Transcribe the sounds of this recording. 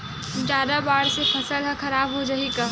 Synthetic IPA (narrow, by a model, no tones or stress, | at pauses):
d͡ʒaːd̪abaːɽsefʰɐsəlɦɐ̃xɐɾaːbɦod͡ʒɐikaː